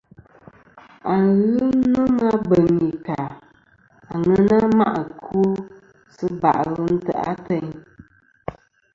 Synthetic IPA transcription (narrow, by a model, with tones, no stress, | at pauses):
a˨ɣɨ˦nu˦ma˦bə˨ŋi˨ka˨ | a˨ŋə˦na˦ma̰˦ʔə˨kʰu˦ | sɨ˦ba˨ʔɣɨ˦n̩˦tə̰˦ʔa̰˦tɛ˦ɲ